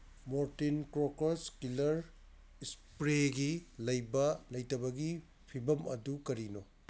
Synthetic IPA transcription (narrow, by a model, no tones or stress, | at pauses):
moɾtinkɾokoskilɐɾ | spɾeɡilɐjbɐlɐjtɐβɐɡi | pʰibɐmɐdukɐɾino